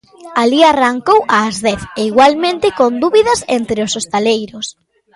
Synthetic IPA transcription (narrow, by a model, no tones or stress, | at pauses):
aliaraŋkowʔaːzðɛθeiɣwalmẽnt̪ɪkond̪uβiðɐsent̪ɾeosost̪alejɾʊs